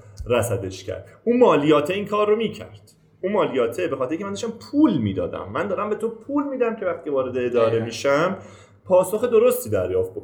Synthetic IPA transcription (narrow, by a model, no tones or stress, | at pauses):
ɾæsæd̪e̞ʃcʰæ̰ɾd̪̥uːnmɒːlijɒːt̪ʰeiːŋkʰɒːrːomiːcʰæ̰ɾd̪̥ | uːnmɒːlijɒːt̪ʰebexɒːt̪eɾeiŋʲceænd̪ɔʃt̪æmpʰuːlmiːd̪ɒ̰ːd̪æ̰mːænd̪ɒːɾæmbe̞t̪ʰopʰuːlmiːd̪æmcʲʰe̞væxt̪iːevɒːɾe̞d̪eːd̪ɒːɾe̞miːʃæm | pʰɒːsoxed̪o̞ɾo̞st̪iːd̪æɾjɒːft̪̚bo